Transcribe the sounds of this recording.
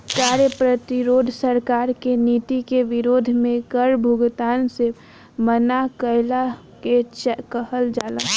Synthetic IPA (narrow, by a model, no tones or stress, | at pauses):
t͡ʃaːɾjəpɾət̪iɾoːd̪ʱsəɾkaːɾkenit̪ikeʋɪɾoːd̪ʱmẽkəɾbʱʊɡt̪aːnse | mənakəɪla | ket͡ʃkəɦəld͡ʒaːla̰